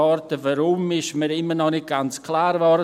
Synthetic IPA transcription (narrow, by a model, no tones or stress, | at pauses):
ɔɾtəvəɾʊmɪʃməɾɪmərnɔnɪt̚ɡ̥ant͡skʰlaːɾvɔɾ